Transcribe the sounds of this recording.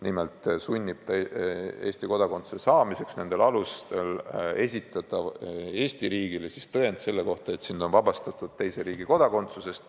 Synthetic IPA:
nime̞lt̪ːˑsunʲːib̥̚t̪ɑee̞ːsʲt̪iko̞d̪ɑko̞nt̪su̥sesɑːmise̞ksne̞nd̪̥e̞lɑlust̪e̞le̞sʲit̪ːˑɑt̪ˑɑe̞ːsʲt̪iɾiːɡ̥ilesist̪ɤend̪se̞lːe̞ko̞ht̪ɑe̞t̪sind̪o̞nvɑbɑst̪ɑt̪ˑud̪̥̚t̪e̞jse̞ɾiːɡiko̞d̪̥ɑko̞nt̪suse̞st̪

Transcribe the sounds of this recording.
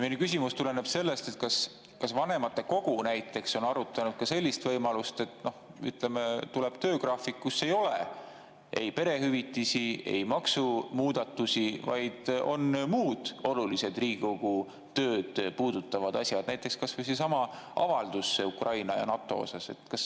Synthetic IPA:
minukys̬ʲimust̪ule̞ne̞b̥se̞lːe̞st̪e̞t̪̚kɑs | kɑsvɑne̞mɑt̪ːˑe̞ko̞ɡ̥unæjt̪ːˑe̞kso̞nɑɾut̪ːˑɑnud̪̥̚kɑse̞lʲːist̪vɤjmɑlust̪e̞t̪ːno̞hy̰t̪le̞met̪ule̞b̥t̪ø̞ːkrɑːfikːusːe̞jo̞le | ʔe̞jpe̞ɾe̞ɦyvit̪ːˑisie̞̰jmɑksumuːd̪̥ɑt̪ːˑusʲivɑ̰jd̪̥o̞̰nmuːd̪̥o̞lulise̞d̪riːɡoɡ̥u | t̪ø̞ːd̪̥puːd̪̥ut̪ːɑvɑd̪̥ɑsʲjɑd̪̥næjt̪ːˑe̞kskɑsvujsesɑmɑʔɑ̰vɑld̪usːeukrʔɑjnɑjɑ̰nɑt̪ːˑo̞̰o̰sɑse̞̰t̪kɑs

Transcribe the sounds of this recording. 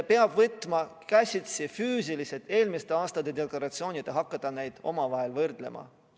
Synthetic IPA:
peɑb̥vɤt̪ːˑmɑkæsʲit̪sifyːs̬iliset̪e̞ːlmist̪eɑːst̪ɑd̪̥e̞d̪e̞klɑɾɑt̪sio̞ːnʲid̪̥e̞ɦɑkːɑd̪̥ɑnejd̪̥o̞̰mɑvɑɦe̞lvɤrd̪̥le̞̰mʔɑ̰

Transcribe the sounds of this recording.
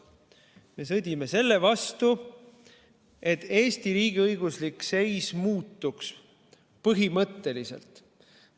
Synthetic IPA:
me̞s̬ɤd̪̥ʲimese̞lːevɑst̪u | e̞t̪ːe̞ːst̪iɾiːɡ̥iɤjɡ̥uslikse̞jsmuːt̪ːuks | pɤɦimɤt̪ːe̞lise̞̰lt̪

